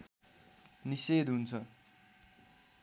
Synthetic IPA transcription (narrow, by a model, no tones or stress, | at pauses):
nised̪ɦunt͡sʰʌ